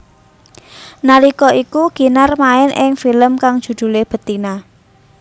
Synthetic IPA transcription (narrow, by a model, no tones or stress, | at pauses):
nalikɔʔikuɡ̥i̤narmaɪnʔɪŋfiləmkaŋd̥ʒ̥ṳd̪̥ṳleb̥ə̤t̪ina